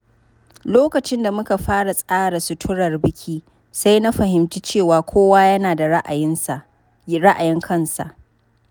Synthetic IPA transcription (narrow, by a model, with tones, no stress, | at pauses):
loː˦kɐ˨t͡ʃɪ˦nda˨mʊ˦ka˨ɸaː˦ɽa˨sʼaː˦ɽa˨sʊ˦tʰʊ˦ɽɐ˨rbɪ˦kʲʰiː˦ | sa˦jna˦ɸɐ˨ɦɪ˨mtiː˦t͡ʃeː˦˨waː˨kʷoː˦waː˦jɐ˦naː˨da˨˦ʔa˨jɪ˦nsa˨ | ɾa˦ʔa˨jɪ˦ŋkʰɐ˦˨nsa̰˨ʔ